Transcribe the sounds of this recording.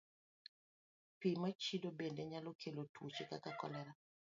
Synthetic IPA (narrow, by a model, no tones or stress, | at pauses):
pimat͡ʃidobendeɲalokʰelotuot͡ʃekakakɔ̰lɛɾa